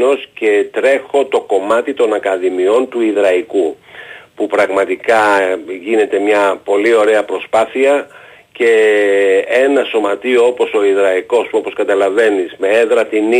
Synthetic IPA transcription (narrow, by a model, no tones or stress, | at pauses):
o̞sce̞t̪ɾe̞xo̞t̪o̞ko̞mɐt̪it̪o̞nɐkɐðimio̞nt̪uiðɾɐikupupɾɐɣmɐt̪ikɐʝine̞t̪e̞mɲɐpo̞lio̞ɾe̞ɐpɾo̞spɐθiɐ | ce̞ | enɐso̞mɐt̪io̞opo̞so̞iðɾɐiko̞so̞po̞skɐt̪ɐlɐve̞nizme̞eðɾɐt̪in